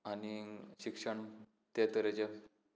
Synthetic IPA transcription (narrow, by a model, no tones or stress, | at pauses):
aniɕikʂəɳ | t̪et̪əɾet͡ɕe